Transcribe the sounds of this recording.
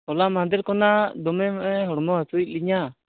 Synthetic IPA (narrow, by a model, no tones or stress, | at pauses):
ɔlamad̪ɛɾkɔnad̪ɔmɛmʔɛɦɔɽɔmɔɦasuic̚ˀliɲa